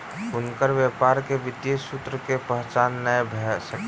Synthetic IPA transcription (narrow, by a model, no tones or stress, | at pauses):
ʊnkəɾʋjepaɾkebit̪esut̪ɾəkepəɦt͡ʃanːəjbʱesək